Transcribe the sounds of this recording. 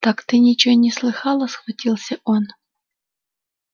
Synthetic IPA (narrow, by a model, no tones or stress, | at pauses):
t̪akt̪ɨnʲɪt͡ɕnʲɪslˠɨxɑlˠəsxvɐtʲilˠsʲəʔon